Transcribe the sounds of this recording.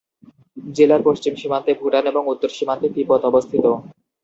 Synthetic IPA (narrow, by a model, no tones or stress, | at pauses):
d͡ʑelaɾpoʃt͡ɕimʃimant̪ebʱuʈaneboŋut̪ːoɾʃimant̪ekipɔt̪ɔbost̪ʰit̪o